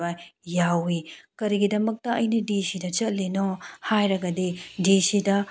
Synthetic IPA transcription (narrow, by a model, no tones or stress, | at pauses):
ɐjawikɐɾiɡidɐmɐk̚tɐɐjnɐdisidɐt͡ʃɐt̚linohajɾɐɡɐdidisidɐ